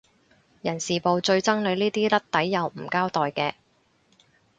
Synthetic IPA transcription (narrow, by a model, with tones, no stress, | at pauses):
jɐ˨˩nsiː˨˩po˨˧wt͡ʃɵ˧ɥt͡sɐ˥ŋle˨˧jniː˥t̪iː˥lɐ˥t̚t̪ɐ˨˥jːɐ˨˧wm̩˨˩kaː˥wt̪ɔː˨jkɛː˧